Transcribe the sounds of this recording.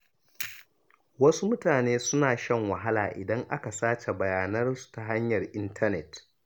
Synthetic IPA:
wɐ˦su˦mʊ˦taː˨neː˦sʊ˦naː˨ʃɐ˦ŋwɐ˨ɦa˦laː˨ʔɪ̰˨dɐ˦ŋʔa˦ka˨saː˦t͡ʃe˨bɐ˨jaː˨nɐ˦rsu̥˨ta˨ɦa˦ɲjɐ˨rʔɪ˦ntʰɐ˦nɛ˨t

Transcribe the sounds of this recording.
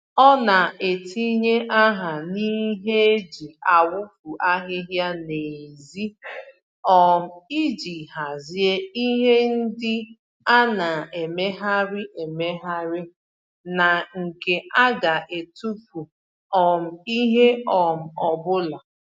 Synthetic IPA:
ɔ˦na˨ʔe˨tʰi˦ɲe˦ʔa˦ɦa˨ni˦ɦe˦e˦d͡ʒi˨a˨wʊ˦fu˨ʔa˦ɦɪ˦ɦja˦ne˨zi˦ | ɔ˦m̩˨i˦d͡ʒi˨ɦa˨zi˦e˦i˦ɦe˦n̩˦dɪ˦ | a˦na˨e˨me˦ɦa˦ɾɪ˦ʔe˨me˦ɦa˦ɾɪ˦ | na˨ŋ̩˨ke˨ʔa˦ɡa˨ʔe˨tu˦pu˨ | ɔ˨m̩˨i˦ɦe˦ɔ˨m̩˨ɔ˨bʊ˦la˨

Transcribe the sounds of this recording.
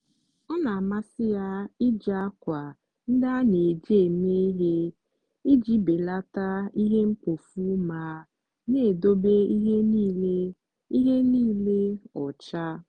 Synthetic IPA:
ɔ˦na˨a˨ma˦sɪ˦ja˦ɪ˦d͡ʒa˦kʷa˨ | n̩˦da˦ne˨d͡ʒeː˦˨ne˦ɦe˦ | i˦d͡ʒi˦be˨la˦ta˦i˦ɦe˦ŋ͡m̩˦k͡po˨fu˦ma˨˦ | ne˦˨do˦be˦i˦ɦe˦niː˦le˦ | i˦ɦe˦niː˦le˦ɔ˨t͡ʃa˦

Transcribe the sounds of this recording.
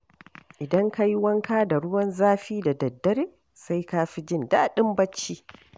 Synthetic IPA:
ʔɪ˨dɐ˦ŋka˦jwɐ˦ŋkaː˦da˨ɽʊ˦wɐ˦nzaː˦ɸiː˦da˨dɐ˨dːɐ˦ɾeː˦ | sa˦jkaː˦ɸi˦d͡ʒɪ˦˨nda˦˨ɗɪ˦mbɐ˦t͡ʃːiː˦

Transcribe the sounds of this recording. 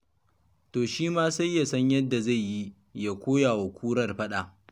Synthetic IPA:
toː˨ʃiː˦maː˦sa˦jːa˨sɐ˦ɲjɐ˦dːa˨za˦˨jji˦ | ja˨kʷoː˦ja˨wɐ˨kʷʰuː˦ɾɐ˦˨rɸɐ˦ɗa˨ʔ

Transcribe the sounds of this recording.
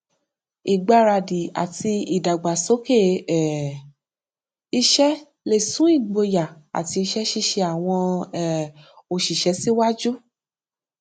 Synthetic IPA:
i˨ɡ͡ba˧˨ɾa˧˨di˨a̰˨ti˧i˨da˨ɡ͡ba˨so˨˦ke˦˨ | i˧ʃɛ˦ | le˨sũ˨˦i˦˨ɡ͡bo˧ja˨a̰˨ti˧i˧ʃɛ˦ʃi˦ʃe˧a˨w̃ɔ̃˧ɛ˦˨o˨ʃi˨ʃɛ˨˦si˦wa˦d͡ʒu˦

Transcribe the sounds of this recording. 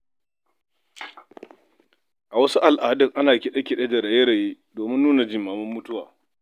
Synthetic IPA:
ʔa˨wɐ˦su˦ʔa˨lʔaː˨dʊ˦˨ŋʔa˦naː˨kʲi˨ɗɐ˦kʲi˨ɗe˦d͡ʒɐ˨ɽa˨je˦ɽa˨ji˦ | doː˨mɪ˦nːuː˦na˨d͡ʒɪ˦mːaː˨mʊ˦mːʊ˦tʊ˦waː˨

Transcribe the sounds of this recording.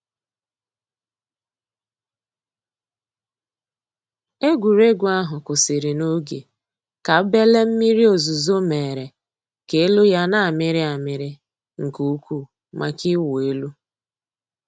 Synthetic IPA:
e˦ɡʷu˨ɾe˦ɡʷʊ˨a˦ɦʊ˨kʊ˨sɪ˨ɾɪ˨no˦ɡḛ˨ | ka˨˦be˦le˦m̩˦mi˦ɾi˦o˨zu˨zo˦me˨ɾe˨ | ke˦lu˦ja˦na˦a˨mɪ˦ɾɪ˦a˨mɪ˨ɾɪ˦ | ŋ̩˨ku˨u˦kʷu˦˨ | mʔa˨ki˦we˦lu˦

